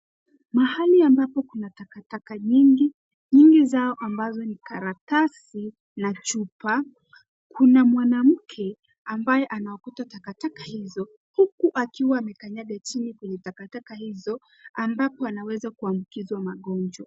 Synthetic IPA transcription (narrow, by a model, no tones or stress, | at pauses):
mahaliambapɔkunatakatakaɲiŋɡi | ɲiŋɡizaɔʔambazɔnikaɾatasi | nat͡ʃupa | kʰunamwanam̩kʰɛ | ambajɛʔanawakutatakatakahizɔ | hukuʔakiwaːmɛkaɲaɠat͡ʃinikwɛɲɛtakatakahizɔ | ambapɔanawɛzakuambukizwamaɠɔnd͡ʒwa